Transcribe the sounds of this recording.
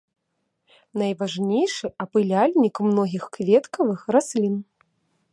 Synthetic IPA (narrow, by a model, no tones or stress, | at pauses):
nɐjvaʐnʲejʂɨɐpɨlʲalʲnʲikmnɔɣʲixkvʲɛt̪kɐvɨxrasʲlʲin